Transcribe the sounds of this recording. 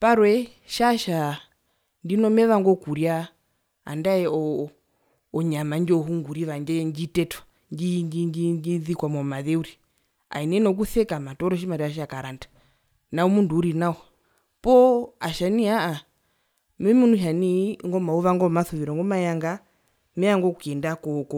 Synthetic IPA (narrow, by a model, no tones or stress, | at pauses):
paɾwɛ | ʃaʃa | ndinɔmɛβaŋɡɔkuɾja | a̰ndaɛɔ | ɔɲamaɲd͡ʒɔɦuŋɡuɾiʋaɲd͡ʒɛɲd͡ʒitɛtɔ̥ | ɲd͡ʒiɲd͡ʒiɲd͡ʒiɲd͡ʒiðikwamɔmaðɛuɾi | a̰inɛnɔk̬uθɛkamatɔɾɔʃ̬imaɾiaʃ̬akaɾantḁ | naumunduːɾinaɔ | pɔaʃaniaa | mɛmunuʃaniŋɡɔmauβaŋɡɔmaθuʋiɾɔŋɡɔmajaŋɡa | mɛaŋɡɔkɛndakɔkɔ